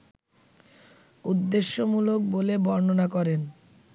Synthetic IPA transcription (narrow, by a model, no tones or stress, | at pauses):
ud̪ːeʃːomulok̚bolebɔɾnonakɔɾen